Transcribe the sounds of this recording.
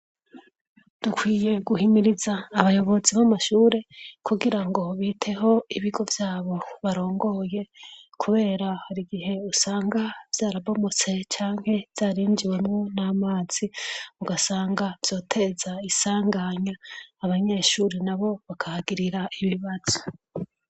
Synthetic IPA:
d̥ukʰwiːje̞ɡuhimiɾizaːβajo̞βo̞ziβamaʃuːɾe̞kʰuɡiɾaŋɡo̞βiːtʰe̞ɦo̞iβiɡo̞vjaːβo̞βaɾo̞ːŋɡo̞je̞kʰuβe̞ːɾahaɾiɡihe̞usaːŋɡav̥jaːɾabomo̞t͡se̞t͡ʃaːŋ̥he̞v̥z̥aːɾiːɲd͡ʒiwe̞mŋo̞naːmaːz̥iuɡasaːŋɡavjo̞ːtʰe̞zaisaːŋɡaɲaːβaɲe̞ːʃuːɾenaβo̞βakʰahaɡiɾiɾaʔiβiβaz̥o̥

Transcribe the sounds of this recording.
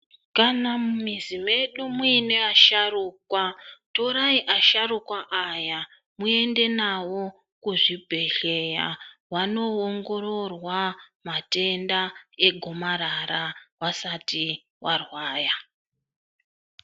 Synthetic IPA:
kanammizime̞ɗumuine̞aʃaruːkwatoɾaiʔaʃaɾukwaʔaja | mue̞nde̞nawo̞ | kuʐibʱe̞ɬe̞ja̰wano̞oŋɡo̞ɾo̞rwamate̞ndae̞ɡʱo̞maɾaɾawasati | warwaːja

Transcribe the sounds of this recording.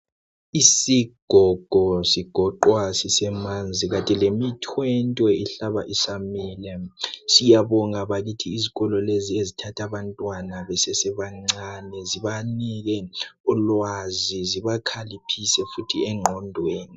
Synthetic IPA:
isiɡ̥ʱɔɡ̥ʱɔsiɡ̥ʱɔǃwasisɛmand͡zʱiɣatʼilemitʰwɛntʼwɛiɬaβaʔisamilɛsijaβɔŋaβaɣitʰiːziɣɔlɔleziezitʰatʰaβantʼwanaβɛsɛsɛβaŋ͡ǀanɛziβaniɣɛulwaziziβakʰalipʰisɛfutʰiɛŋ͡ǃʱɔndʱweːni

